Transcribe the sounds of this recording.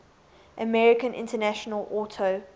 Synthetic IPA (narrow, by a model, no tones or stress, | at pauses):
ʔəmɛɹɪkə̃nʔɪ̰̃ntənæʃənəlɔtʰə